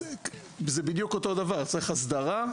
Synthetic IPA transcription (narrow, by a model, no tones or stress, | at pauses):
zebid̪jukot̪o̞d̪avaʁt͡saʁiχasd̪aʁa